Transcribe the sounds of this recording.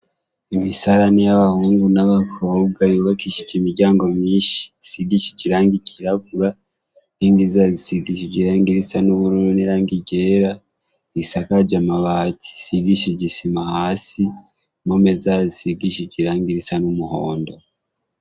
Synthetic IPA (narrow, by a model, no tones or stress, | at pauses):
imisaɾanejaβahuːŋɡunaβakʰob̚ɡajuβakiʃicimiɟaːŋɡo̞miːʃi̥isiɡiʃe̥ciɾaːŋɡiciɾakuɾa | iːndizazisiɡiʃiɟiɾaːŋɡiɾisanuβuɾuɾuniɾaːŋɡiɟeːɾa | isakad͡ʒamaβaːtʰi̥siɡiʃeɟisimahaːsi | momezazisiɡiʃeciɾaːŋɡiɾisanumuhoːndo